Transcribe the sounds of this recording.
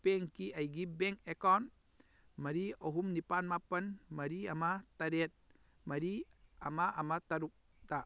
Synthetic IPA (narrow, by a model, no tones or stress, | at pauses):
peŋkiʔɐjɡibeŋkekawn | mɐɾiɔɦumnipanmapɐnmɐɾiamatɐɾet̪̚ | mɐɾiamaʔːmat̪aɾuk̚ | da